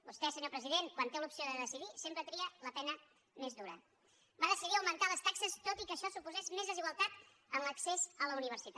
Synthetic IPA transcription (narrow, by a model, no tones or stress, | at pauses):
bust̪ɛsəɲopɾəziðeŋkwant̪elupsioðəðəsiðisempɾət̪ɾiələpɛnə | mezðuɾə̰ | baðəsiðiəwmənt̪aləst̪aksəst̪ot̪ikəʃɔsupuzɛzmezðəziɣwəlˠt̪at̪ | ənləksezələuniβ̞əɾsit̪